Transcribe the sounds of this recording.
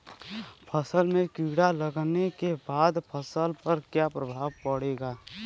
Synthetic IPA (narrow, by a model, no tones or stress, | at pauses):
pʰəsəlmẽkiɽaləɡnekebaːd̪pʰəsəlpəɾkjapɾəbʱaːʋpəɽeːɡaː